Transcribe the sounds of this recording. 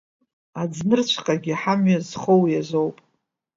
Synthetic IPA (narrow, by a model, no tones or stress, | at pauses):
ad͡znɨrt͡ɕʷʰqʼaɡʲiħamɥazχowjazo̞wpʼ